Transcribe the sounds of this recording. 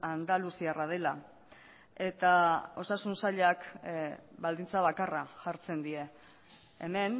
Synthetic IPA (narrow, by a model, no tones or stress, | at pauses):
and̪alusiarað̞e̞la | e̞t̪ao̞sasunsaʎak | bald̪int͡saβakaraʝaɾt͡se̞nd̪ie̞ː | me̞n